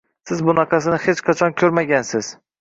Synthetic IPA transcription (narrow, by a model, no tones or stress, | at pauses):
sɪzbʊnɑqʰɑsɪnɪhet͡ʃqʰɑt͡ʃʰɒnkʲʰɵɾmaɡʲansɪz̥